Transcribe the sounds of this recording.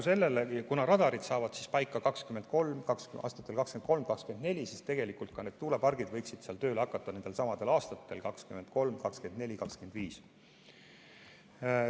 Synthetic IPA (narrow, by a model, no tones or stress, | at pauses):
se̞lːe̞lekunɑɾɑd̪̥ɑɾid̪̥sɑːvɑd̪̥si̥spɑjkːˑɑkɑkskymːend̪̥̚ko̞lmkɑksɑ̰ːst̪ɑt̪ːˑelkɑkskenko̞lmkɑkskye̞nne̞lʲisist̪e̞ɡ̥e̞likˑult̪̚kɑne̞ːd̪̥̚t̪uːlepɑrɡid̪̥vɤjksid̪̥seɑlt̪ø̞ːleɑkːˑɑt̪ːˑɑnend̪̥e̞lsɑmɑd̪e̞lɑːst̪ɑt̪ːˑe̞lkɑkskymend̪̥̚ko̞lmkɑkske̞nd̪ne̞lʲikɑkskyend̪viːs